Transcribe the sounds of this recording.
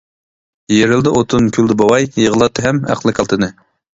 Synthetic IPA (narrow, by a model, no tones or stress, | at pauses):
jeɾɪld̪ɛʔot̪ʰunkʲʰyld̪ɪbɑwɑjjəʁəlˠɑt̪ʰːɨɦɛmæ̰qlˠɨkʲʰɑlˠt̪ʰɨnɨ